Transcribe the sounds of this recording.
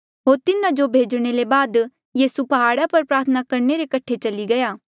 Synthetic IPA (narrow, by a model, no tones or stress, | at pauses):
ɦoːɾt̪ɪnãd͡ʒobʱeːd͡ʒɽ̃elebaːd̪ | jiːsupɐɦaːɽapɐɾpɾaːɾt̪ʰənakɐɾneɾekɐʈʰːet͡ʃɐliɡɐjaː